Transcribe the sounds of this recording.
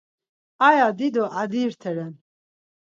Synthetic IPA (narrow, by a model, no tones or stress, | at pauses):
ajad̪id̪ɔʔad̪iːɾt̪ʰɛɾɛn